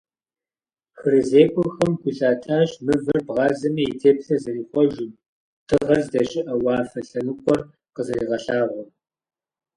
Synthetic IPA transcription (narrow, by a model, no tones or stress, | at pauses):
xɨɾɨzeːkʷʼɔxɐmkʷʰʼʊɬaːtʰaːʃmɨvɨrbʁɑːzɐmɐitʰeːpɬɐzɨriːχʷɔʒɪm | tʰɨʁɐrzdɐɕʼɪʔɐwɑːfɐɬɐnɨkʷʼɔr | qəzɐriːʁɐɬaːʁʷɔm